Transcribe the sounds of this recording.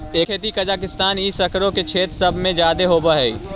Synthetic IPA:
eːkʰeːt̪ikəd͡ʒaːkɪst̪aːnisəkɾõket͡ʃʰeːt̪ɾsəbʱmẽd͡ʒaːd̪eɦoːbəɦɛi

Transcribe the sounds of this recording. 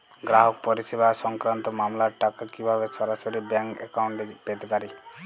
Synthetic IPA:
ɡɾaɦɔk̚pɔɾisebasɔŋkɾant̪ɔmamlaɾʈakakibʱaβeʃɔɾasoɾibɛŋkḛkawɳʈpet̪epaɾi

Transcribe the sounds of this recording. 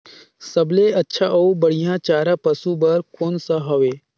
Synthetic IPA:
sɐbleɐtːʃʰaʔoubəɽ̤ijãt͡ʃaːɾãpəsubɐɾkoːnsaɦoʋeː

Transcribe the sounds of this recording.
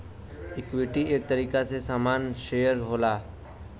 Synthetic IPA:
ɪkʋɪʈieːk̚t̪əɾiːkasesaːmaːnʃejəɾɦoːlaː

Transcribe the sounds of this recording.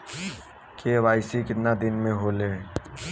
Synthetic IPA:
kʰeʋaːɪsikɪt̪nad̪ɪnmẽɦoːleː

